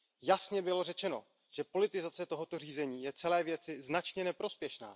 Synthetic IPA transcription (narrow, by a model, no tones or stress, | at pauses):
jasɲɛbɪlo̞rɛt͡ʃɛno̞̰ | ʒ̥ɛpo̞lɪt̪ɪzat͡sɛt̪o̞ɦo̞t̪o̞r̝iːzɛɲiːjɛt͡sɛlɛːvjɛt͡sɪznat͡ʃɲɛnɛpɾo̞spjɛʃna̰ː